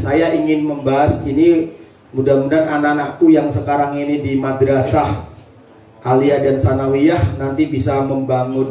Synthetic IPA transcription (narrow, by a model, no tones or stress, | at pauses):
sajaiŋɪnməmbaɦasini | mudamudanananakujaŋsəkaɾaŋinidimadəɾasah | ʔaliadansanawiahnant̪ibisaməmbaŋʊn